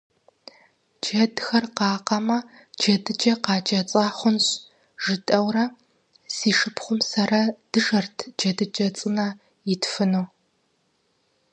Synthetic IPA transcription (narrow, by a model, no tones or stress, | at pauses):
d͡ʒɐdxɐrqɑːqɐmɐ | d͡ʒɐdɨd͡ʒɐqɑːd͡ʒɐt͡sʼaːχʷʊnɕ | ʒɨtʼɐwrɐ | siːʂɨpʰχʷʊmsɐrɐd̥ɨʒɐrtʰd͡ʒɐdɨd͡ʒɐt͡sʼɨnɐ | jɪtʰfɨnuː